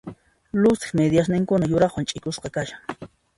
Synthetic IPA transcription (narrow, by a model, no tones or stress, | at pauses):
lʊsɪ̥χmed̪jas̬nɪŋkʊnajʊɾɑχwant͡ʃʼɪkʊsqɑkaʃaŋ